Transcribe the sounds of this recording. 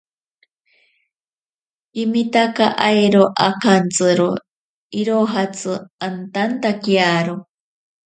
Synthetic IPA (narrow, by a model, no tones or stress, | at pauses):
imit̪akaʔajɾoʔakant͡sɨɾo | iɾoɦat͡sɨant̪ant̪akiaɾo